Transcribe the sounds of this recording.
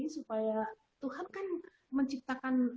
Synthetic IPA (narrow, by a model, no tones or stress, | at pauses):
supaja | t̪uhankan | məɲt͡ʃip̚t̪akan